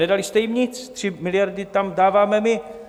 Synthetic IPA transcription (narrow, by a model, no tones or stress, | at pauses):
ɛdalɪst̪ɛjimɲɪt͡st̪r̥ɪmɪlɪjaɾdɪt̪amdaːvaːmɛmɪ